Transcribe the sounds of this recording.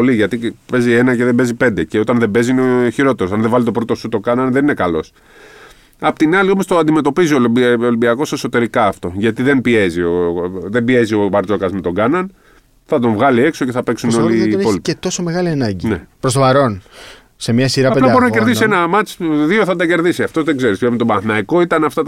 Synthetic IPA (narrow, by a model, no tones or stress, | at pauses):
oliʝɐt̪ipe̞zie̞nɐce̞ðebe̞zipe̞nd̪e̞ce̞o̞t̪ɐnðe̞be̞ziineçiɾo̞t̪e̞ɾsɐnðevɐlit̪o̞pɾo̞t̪o̞sut̪o̞ɡɐnɐnðenine̞kɐlo̞s | ɐpot̪inɐlio̞mo̞st̪oɐnd̪ime̞t̪o̞piziolibolimbiɐko̞se̞sot̪e̞ɾikɐːft̪o̞ʝɐt̪iðe̞nbie̞zio̞ðembie̞zio̞vɐɾt͡so̞kɐzmet̪o̞ɡɐnɐn | θɐt̪o̞ɱvɣɐlie̞kso̞ce̞θɐpe̞ksunno̞lipolit̪et̪o̞someɣɐliɐnɐɲɟinepɾost̪opɐɾo̞n | se̞mɲɐsiɾɐɐpeplɐbo̞ɾinɐceɾðisienɐmɐt͡sðioθɐt̪ɐce̞ɾðisiɐft̪o̞zðe̞ɡze̞ɾispepinet̪obɐθnɐiko̞it̪ɐnɐft̪ɐt̪